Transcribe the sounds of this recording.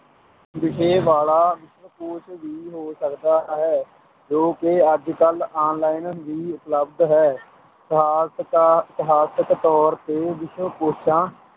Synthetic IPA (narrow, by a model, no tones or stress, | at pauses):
ʋɪʃeːʋaːlaːʋɪʃʋəkoːʃʋiːɦoːsəkd̪aːɦɛː | d͡ʒoːkeəd͡ʒkəlaːnlaːɪnʋiːʊpləbd̪ɦɛː | ɪt̪ɪɦaːsəkt̪ɔːɾt̪eːʋɪʃwəpoːʃʰãː